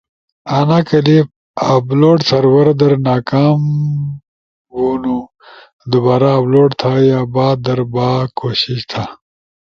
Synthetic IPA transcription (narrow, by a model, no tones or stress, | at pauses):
anakɐlip | abloːʈsɐɾwɐɾd̪ɐɾnaːkaːm | wonu | d̪ubaːɾaːbloːʈt̪ʰajaːbaːd̪ɐɾbaːkoɕiɕt̪ʰa